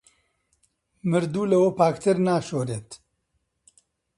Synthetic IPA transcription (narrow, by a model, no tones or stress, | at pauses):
mɨɾd̪uːlɐwopaːkt̪ʰɨɾnaːʃoːɾeːt̪